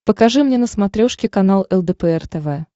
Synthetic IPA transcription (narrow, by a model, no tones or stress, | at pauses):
pəkɐʐɨmnʲenəsmɐt̪ɾʲoʂkʲɪkɐnalˠɛlˠd̪ɛpəɛrt̪ɛvɛ